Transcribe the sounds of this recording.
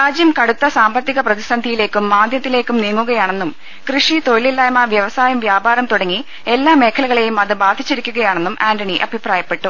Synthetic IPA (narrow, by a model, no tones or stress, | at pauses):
ɾaːd͡ʑjɐmkɐɽut̪ːɐsaːmbɐt̪ːiɣɐprɐðisɐnd̪ʱijile̞ːkːumːaːd̪ʱjɐt̪ːile̞ːkːumniːŋːuɣɐjaːɳe̞nːum | krɨʂit̪o̞ɻililːaːjmaʋjɐʋɐsaːjɐmʋjaːbaːɾɐmt̪uɽɐŋːi | e̞lːaːme̞ːkʰɐlɐɣɐɭe̞jumɐðɨbaːd̪ʱit͡ɕːiɾikʲːuɣɐjaːɳe̞nːumʔaːndɐɳiʔɐ̰bʱipraːjɐpːe̞ʈːu